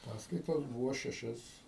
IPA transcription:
ˈpɑːskɐɪtoːs ˈbuːʋoː ʃʲɛˈʃʲɛs

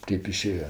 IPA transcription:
ˈtʲeːp ɪˈʃʲeːjɛ

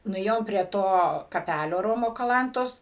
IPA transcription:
nʊˈeːjoːm pʲrʲiɛ ˈtoː kɐˈpʲælʲoː ˈroːmoː kɐˈlˠɐntoːs

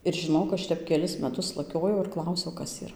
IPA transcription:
ɪr ʒʲɪˈnoːk ˈɐʃ ˈtʲɛp kʲɛˈlʲɪs mʲɛˈtʊs lˠɐˈkʲoːjɛʊ ɪr ˈklˠɐʊsʲɛʊ ˈkɐs iːˈrɐ

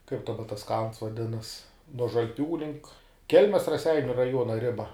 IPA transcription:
kɐɪp dɐˈbɐ tɐs kɐlˠns ʋɐˈdʲɪnɐs nuɔ ʒɐlʲˈpʲuː lʲɪŋk ˈkʲɛlʲmʲɛs rɐˈsʲɛɪnʲʊ rɐˈjuɔnɐ ˈrʲɪbɐ

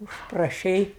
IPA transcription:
ʊʃprɐˈʃʲɛɪ

